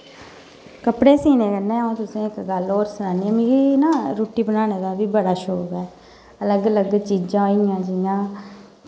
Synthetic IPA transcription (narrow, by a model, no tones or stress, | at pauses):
kəpɽeːsiːnẽːkəɾnẽːũːt̪ʊsẽːɪkɡəloːɾsʊnaːniːɛ̃ːmĩːkiːnãːɾoːʈiːbənaːneːd̪aːbiːbəɽaːʃoːbɛː | ələɡləɡt͡ʃiːd͡ʒãːoiãːd͡ʒɪjãː